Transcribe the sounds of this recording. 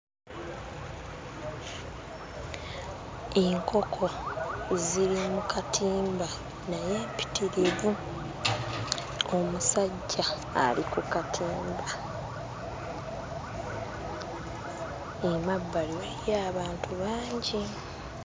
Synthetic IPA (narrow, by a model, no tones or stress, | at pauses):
eŋkʰo̞kʰo̞ziɾimukatʰiːmba | naje̞ːmpi̥tiɾiβu | o̞musaɟːa̰ː | likukatʰiːmba | emabːaliwejaːβaːntuβaːɲɟi